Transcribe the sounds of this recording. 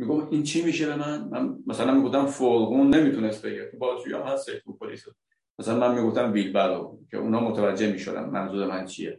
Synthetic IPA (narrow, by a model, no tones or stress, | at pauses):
miɡofʔiːnt͡ʃʰiːmiːʃebe̞mænmænmæsælænmiːɡoft̪ænfoɾɣuːnːe̞miːt̪ʰunest̪̚be̞ɡiɾet̪ʰubɒːʃujɒ̰ːhæset̪upʰoliːse | mæsælænmænmiːɡo̞ft̪æmvilbæɾocʰe̞̰ʔṵnɒːmot̪ʰevæd͡ʒːemiːʃod̪æ̰nmænzuːɾemænt͡ʃʰije